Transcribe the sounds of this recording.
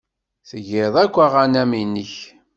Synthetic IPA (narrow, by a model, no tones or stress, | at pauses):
θəʝɪðˤækʷːaʁanæminiç